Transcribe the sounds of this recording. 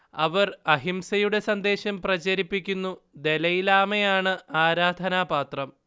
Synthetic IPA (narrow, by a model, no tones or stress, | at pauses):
ɐʋɐrɐɦimsɐjuɽe̞sɐnd̪e̞ːɕɐmprɐt͡ɕɐɾipːikʲːunːud̪e̞lɐjilaːmejaːɳɨaːɾaːd̪ʱɐnaːpaːt̪rɐm